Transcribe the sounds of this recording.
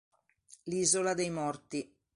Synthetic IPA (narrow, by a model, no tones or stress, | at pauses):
liːzolad̪ejmɔrt̪i